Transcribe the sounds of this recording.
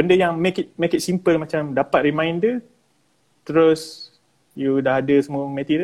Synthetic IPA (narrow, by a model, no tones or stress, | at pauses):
bəndəjaŋmekit̪̚mekit̪̚simpəlmãt͡ʃamdapat̪̚ɾimãjndə | t̪ɾos | judaɦadəsəmuəmet̪iɾə